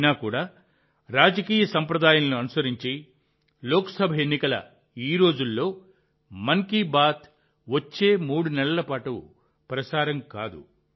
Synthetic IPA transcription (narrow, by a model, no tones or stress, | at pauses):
naːkuːɽaː | ɾaːd͡ʒɐkiːjɐsɐmpɾɐd̪aːjɐnɐnuɐnusɐɾiɲt͡ʃi | loːkɐ̥sɐbʱɐjenːikɐlɐ̰ | iːɾo̞ːd͡ʒulːo̞ː | mɐŋkibaːt̪ʰ | ʋɐt͡ʃːe̞ːmuːɽunɛɭɐlɐpaːʈṵ | pɾɐsaːɾɐmkaːd̪ṵ